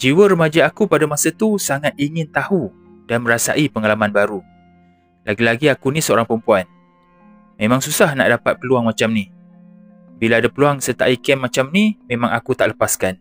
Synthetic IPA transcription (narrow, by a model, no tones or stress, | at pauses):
d͡ʒiwəɾəmad͡ʒaːkupadamasat̪usaŋat̪̚iŋɪnt̪ahu | d̥anmə̃ɾasa̰ʔipəŋalamãnbaɾu | laɡilaɡiakunĩsəoɾaŋpəəmpuan | mẽmãŋsusahna̰ʔdapat̪̚pəluaŋmat͡ʃamni | bilaadapəluaŋsət̪a̰ʔikɛnmat͡ʃamnimemãŋakut̪aʔləpaskan